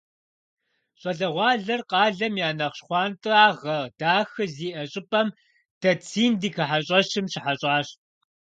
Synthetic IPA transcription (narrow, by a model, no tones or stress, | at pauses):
ɕʼɐɮɐʁʷɑːɮɐrqɑːɮɐmjaːnɐχɕχʷɑːntʼɨaːʁɐd̥aːxɨziːʔɐɕʼɪpʼɐm | d̥ɐt͡sʰiːndiːkʰɐħaɕʼɐɕɪmɕɪħaɕʼɑːɕ